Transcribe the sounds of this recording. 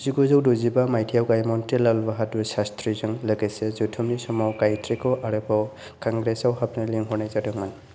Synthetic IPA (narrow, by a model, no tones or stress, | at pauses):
ziɡɔzɯwdɔzibamajtʰijawɡajmɔntilalbaɦatusastɾizɯŋlɯɡajsezutʰumnisɔmawkajtʰɾikɔʔaɾɯba | kaŋɡɾesawɦapnaliŋɦɔnajzadɯŋman